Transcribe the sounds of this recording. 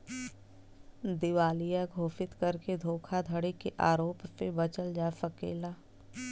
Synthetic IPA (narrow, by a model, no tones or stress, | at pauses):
d̪ɪʋaːlijaɡʱoːpɪt̪kɐɾked̪ʱoːkʰad̪ʱəɽikeʔaːɾoːppebɐt͡ʃəld͡ʒaːefəkḛːlaː